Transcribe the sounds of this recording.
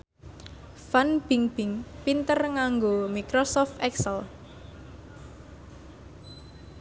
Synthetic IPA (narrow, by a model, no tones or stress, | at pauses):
fanb̥iŋb̥ɪŋpint̪ərŋaŋɡomikɾosɔft̪ɛksəl